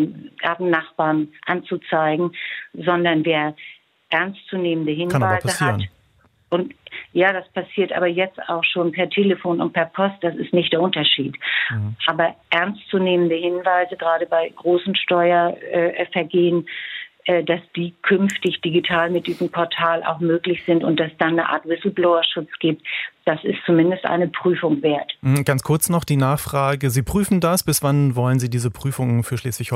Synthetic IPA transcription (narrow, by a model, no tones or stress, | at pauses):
ɡaɐtn̩nːaχb̥aːɐnʔant͡sut͡saɪɡŋ̩zɔndɐnveːɐ | ʔɛɐnst͡suneːməndəɦɪnvaɪzəhat | ʔʊntjaːdaspasiːɐtʔa̰ːbɐjɛt͡sta̰ʊxʃoːnpʰɛɐtʰeːləfoːnʊ̰nt̚pʰɛɐpʰɔst̚d̥asɪstnɪçtd̥eːɐʔʊntɐʃiːtʔaːbɐʔɛɐnst͡suneːməndəhɪnvaɪzəɡʁaːɾəbaɪɡʁoːsn̩ʃtɔʏɐʔɛːfɛɐɡeːənʔɛːdasd̥iːkʰʏnftɪçd̥iɡitʰaːlmɪt̚d̥iːzəm̩pʰɔɐtʰaːlʔa̰ʊxmøːklɪçz̥ɪntʊnt̚d̥asd̥anːəʔa̰ːɐtvɪsl̩bloʊɐʃʊt͡sɡ̥iːp̚td̥asɪstt͡sumɪndəstʔa̰ɪnəpʁ̥yːfʊŋveːɐt̩m̩ɡ̥ant͡skʰʊɐt͡snɔχd̥iːnaːχfʁ̥aːɡəziːpʁ̥yːfn̩dasb̥ɪsv̥anvɔlənziːdiːzəpʁ̥yːfʊŋənfyːɐʃleːsv̥ɪçhɔ